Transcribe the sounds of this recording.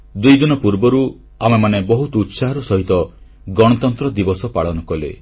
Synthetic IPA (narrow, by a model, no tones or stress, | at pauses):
d̪ujd̪inɔpuɾbɔɾu | amemanebɔɦut̪ɔut̪saɦɔɾusɔɦit̪ɔ | ɡɔɽ̃ɔt̪ɔnt̪ɾɔd̪ibɔsɔpaɭɔnɔkɔlḛ